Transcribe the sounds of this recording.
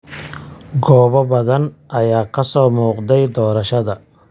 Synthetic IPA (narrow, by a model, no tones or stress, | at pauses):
ɡɔːβɐbɐðɐnʔɐjaːkʰɐsɔːmuːqd̪ɛjd̪ɔːɾɐʃɐðɐ